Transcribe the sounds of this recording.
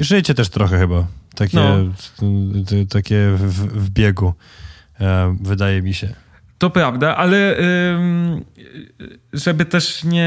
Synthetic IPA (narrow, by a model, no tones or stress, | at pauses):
ʐɘt͡ɕɛt̪ɛʂt̪ɾɔxɛxɘbat̪akʲɛ | t̪akʲɛvvvbʲjɛɡu | vɘd̪ajɛmʲiɕɛ | t̪ɔpɾavd̪aʔalɛm | ʐɛbɘt̪ɛʂɲɛ